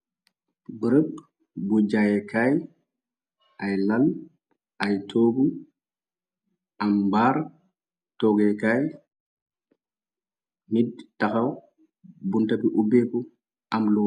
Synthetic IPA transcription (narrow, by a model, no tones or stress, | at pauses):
bəɾək̚ | bud͡ʒajɛkaːj | ajlɐl | ajtʰoːku | ɐmbaːɾ | tɔːɡɛkaj | nid̚tɐkɐw | buntɐbiʔubeku | ɐmlu